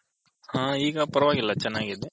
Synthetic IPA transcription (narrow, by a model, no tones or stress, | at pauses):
hãːiːɡɐpɐɾɐʋaːɡilːɐt͡ʃɛnːaːɡiːd̪e